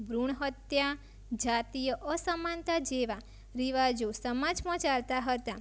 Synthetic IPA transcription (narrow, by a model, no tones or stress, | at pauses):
bɾuɳ̃ɦət̪ja | d͡ʒat̪ijəʔəsəmant̪ad͡ʒeʋa | ɾiʋad͡ʒosəmad͡ʒmãt͡ʃalt̪aɦət̪a